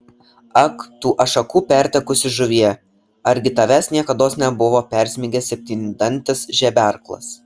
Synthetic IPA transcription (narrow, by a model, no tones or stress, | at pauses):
ɐkt̪uːʔɐʃɐkuːpʲæˑɾʲt̪ʲɛkʊsʲɪʒʊʋʲiɛ | ɐɾʲɡʲɪt̪ɐʋʲæsnʲiɛkɐd̪oːsnʲɛbʊʋoːpʲɛˑɾʲsʲmʲɪɡʲɛsʲɛp̚ʲt̪ʲiːnʲd̪ɐnʲt̪ʲɪsʒʲɛbʲæˑɾklˠɐ̰s